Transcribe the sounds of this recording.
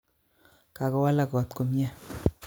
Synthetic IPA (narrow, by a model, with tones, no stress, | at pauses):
ka˨kɔ˨˦wa˦la˨kɔ˨t̪̚ko˨mjɛ˦